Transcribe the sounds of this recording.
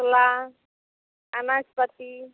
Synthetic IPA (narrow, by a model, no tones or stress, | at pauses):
la | anaspət̪i